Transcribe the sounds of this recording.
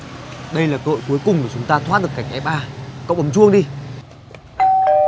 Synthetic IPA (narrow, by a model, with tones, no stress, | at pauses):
ɗə˧jlaː˨˩kə̰ː˧˨jku˨˦jkʊ˨˩ŋ͡mkəː˨˩t͡ɕʊ˨˦ŋ͡mt̪aː˧t̪ʰwa˦˥t̚ɗəkːa˨˩jk̟̚ʔɛ˨˦p̚ʔaː˧kə̰˧˨wʔə˨˦mt͡ɕu˧əŋɗi˧